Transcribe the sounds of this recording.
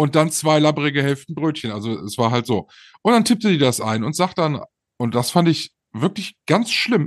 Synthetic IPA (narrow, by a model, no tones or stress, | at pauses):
ʔʊnt̚d̥ant͡sv̥aɪlabʁɪɡəɦɛlftn̩bʁøːtçənʔalzoɛsv̥aːɐɦaltz̥oː | ʔʊntd̥antʰɪp̚tədiːdasʔa̰ɪnʊntz̥aːχt̚d̥an | ʊnt̚d̥asfandɪç | v̥ɪɐklɪçɡ̥ant͡sʃlɪm